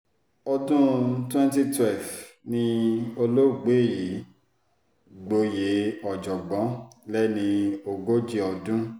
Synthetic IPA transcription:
ɔ˧dũ˦twɛ̃˦nti˧twɛ˦˨lfnĩ˧o˧lo˦˨ɡ͡be˨˦˨ji˨˦ | ɡ͡bo˧je˨˦ɔ˨d͡ʒɔ˨ɡ͡bɔ̃˨˦lɛ˦nĩ˧o˧ɡo˦d͡ʒi˦ɔ˧dũ˦

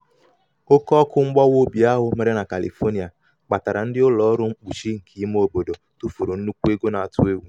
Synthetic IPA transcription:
o˦kɔ˦kʊ˦ŋ͡m̩˦ɡ͡bɔ˦wo˦bi˨a˦ɦʊ˨me˦ɾe˦na˨ka˨lḭ˨fo˦ni˨a˨ | k͡pa˨ta˨ɾa˨n̩˦dɪ˦ʊ˦lɔ˨ɔ˦ɾʊ˦ŋ͡m̩˦k͡pu˨ʃi˦ŋ̩˨kʰi˨˦m˦o˦bo˨do˨ | tu˦fu˨ɾu˨n̩˦u˦kʷu˦e˦ɡo˦na˨a˨tʊ˦e˦wu˦˨

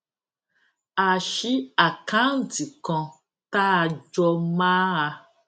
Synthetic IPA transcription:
a˨ʃi˦a˨kã˦˨ti˨kɔ̃˧ | ta˦a˧d͡ʒɔ˧mãː˦a˧

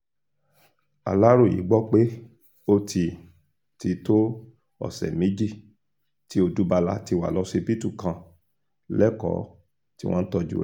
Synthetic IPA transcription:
a̰˨la˦ɾo˦˨ḭ˨˦ɡ͡bɔ˦˨k͡pe˦ | o˦ti˧ | ti˧to˦ | ɔ̰˦˨sɛ̰˨mĩ˨˦d͡ʒi˦˨ | ti˦o˧du˨˦ba˧la˧ti˧wa̰˨lɔ˨˦se˧bi˦tu˦˨kã˧ | lɛ˦kɔ̰˦˨ | tḭ˦w̃ɔ̃˦n̩˦tɔ˧d͡ʒṵ˦

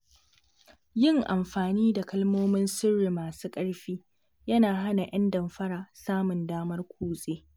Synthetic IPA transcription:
jɪ˦ŋʔa˨mɸaː˨niː˦da˨kɐ˦lmoː˦mɪ˦nsʊ˦rːi˨maː˨suː˦kʼɐ˦ɽɸiː˦ | jɐ˦naː˨ɦa˦na˨ʔɐ˦ndɐ˨mɸɐ˦ɽaː˨saː˦mʊ˨ndaː˦mɐ˦rkʷʰuː˦sʼeː˦

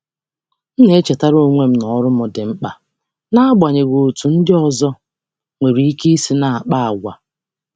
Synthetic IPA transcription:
n̩˦ne˨e˦t͡ʃe˨ta˦ɾo˦˨ŋʷe˦m̩˦nɔ˨˦ɾʊ˦mʊ˨dɪ˨m̩˦k͡pa˨ | na˦a˦ɡ͡bʷa˨ɲe˨ɡo˨tu˨n̩˦dɪ˦ɔ˨zɔ˦ | ŋʷe˨ɾi˨˦i˦ke˦si˦na˨a˨k͡pa˦a˨ɡʷa̰˨

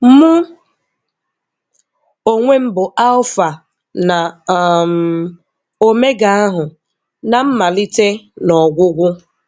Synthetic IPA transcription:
mʊ˦ | o˨ŋʷe˦m̩˦bʊ˨ʔa˦ʊ˦fa˨ | na˨m | o˦me˦ɡa˨a˦ɦʊ˨ | na˨m̩˦ma˨li˦te˦nɔ˨ɡʷʊ˦ɡʷʊ˦

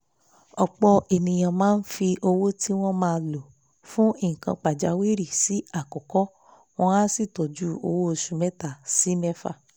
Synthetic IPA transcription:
ɔ˨k͡pɔ˧e˨nĩ˨j̃ã˨mãː˦n̩˦fi˧ʔo˧wo˦ti˦w̃ɔ̃˦mãː˦˧lo˨ | fũ˦ĩ˦˨kã˧k͡pa˨d͡ʒa˨˦wi˦ɾi˦˨si˨˦a˦˨kɔ˨kɔ˦ | w̃ɔ̃˦a˦si˦˨tɔ˨d͡ʒu˦o̰˧wo˦o˧ʃu˧mɛ˦ta˦˨si˨˦mɛ˦fa̰˦˨

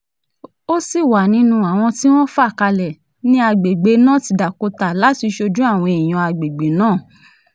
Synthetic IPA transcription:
o˦si˦˨wa˨nĩ˦nũ˧a˨w̃ɔ̃˧ti˦w̃ɔ̃˦fa˦˨ka˧lɛ˨ | nĩ˦a˧ɡ͡be˨ɡ͡be˨˦nãː˦˨ti˧da˨ko˧ta˨la˨˦ti˧ʃo˧d͡ʒũ˦a˦˨w̃ɔ̃˧i˨j̃ã˧a˧ɡ͡be˨ɡ͡be˨˦nãː˦˨

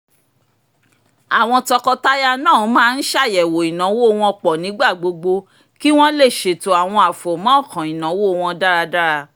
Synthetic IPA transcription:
a˨w̃ɔ̃˧tɔ˧kɔ˧ta˦ja˦nãː˦˨˦mãː˦˧n̩˦ʃa˦˨jɛ˨wo˨i˨nã˨˦wo˦˧w̃ɔ̃˧k͡pɔ˨nĩ˨˦ɡ͡ba˦˨ɡ͡bo˧ɡ͡bo˧ | ki˦w̃ɔ̃˦le˦˨ʃe˨to˦a˨w̃ɔ̃˧a˨fo˨mɔ̃˨˦˨kã˨i˨nã˨˦wo˦o˧w̃ɔ̃˧da˦ɾa˧da˦ɾa˧

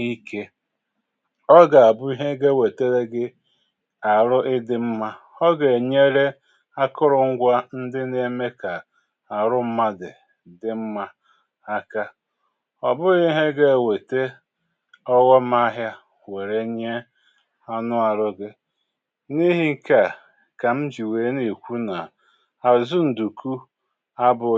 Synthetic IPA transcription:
i˦ke˦ | ɔ˦ɡa˨a˨bʊ˦i˦ɦe˦ɡe˦we˨te˦ɾe˦ɡɪ˦ | a˨ɾʊ˦ʔɪ˦dɪ˦m̩˦ma˦ | ɔ˦ɡe˨ɲe˦ɾe˦ | a˦kʊ˦ɾʊ˨ŋ̩˦ɡʷa˦n̩˦dɪ˦ne˦me˦ka˨ | a˨ɾʊ˦m̩˦ma˦dɪ˨ | dɪ˨m̩˦ma˦ | a˦ka˦ | ɔ˨bʊ˦ɣi˦ɦe˦ɡe˦˨we˨te˦ | ɔ˦ɣɔ˦m˦a˦ɦja˦ | we˨ɾe˨˦ɲe˦ | a˦nʊ˦a˨ɾʊ˦ɡe˦ | ni˦ɦi˦ŋ̩˦ka˨ | ka˨m̩˦d͡ʒi˨weː˨˦ni˨kʷu˦na˨ | a˨zu˦n̩˨du˨kʰu˦ | a˦bʊ˨

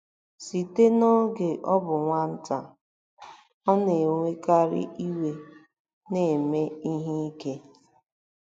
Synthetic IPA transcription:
si˨te˦nɔ˦ɡe˨ʔɔ˦bʊ˨ŋʷa˦n̩˦ta˨ | ɔ˦ne˨ŋʷe˦ka˦ɾɪ̰˦ʔi˦we˦ | ne˨me˦i˦ɦi˦i˦ke˦

